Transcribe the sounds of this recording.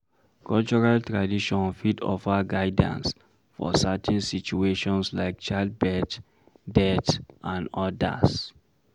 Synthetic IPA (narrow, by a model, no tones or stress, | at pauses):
kʰɔlt͡ʃɔɹaltɹadiʃɔ̃nfidɔ̰faɡaɪdã̰ns | fɔ̰satʰɛ̃nsit͡ʃueʃɔ̃nslaɪk̚t͡ʃaɪld̚bɛt | dɛtʔãnɔda̰s